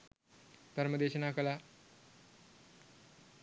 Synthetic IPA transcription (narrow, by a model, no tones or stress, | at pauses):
t̪əɾməd̪eːɕənaːkəla